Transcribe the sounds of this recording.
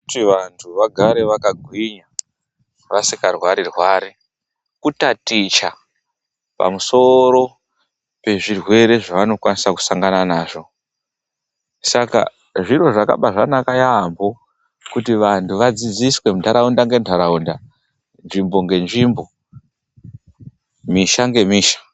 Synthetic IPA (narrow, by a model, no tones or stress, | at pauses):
utiʋantʰuʋaɡʱaɾe̞ʋakaɡʱwiɲa | ʋasikarwaɾirwaːɾi | kutatit͡ʃa | pa̰muso̞ɾo̞ | pe̞ʐirwe̞ɾe̞ʐaʋano̞kwanisaku̥saŋɡananaːʐo̞ | saka̰ | ʐiro̞ʐaka̰ɓaʐanakajambo̞ | kutiʋantʰuʋad͡zid͡ziswe̞mundʰaɾaundaŋɡe̞ntʰaɾaunda | nʐimbo̞ŋɡe̞nʐiːmbo̞ | miʃaŋɡe̞miːʃḁ